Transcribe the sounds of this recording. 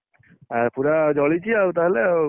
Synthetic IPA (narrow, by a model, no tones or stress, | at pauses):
aɾpuɾad͡ʒɔɭit͡ʃʰiaut̪aɦele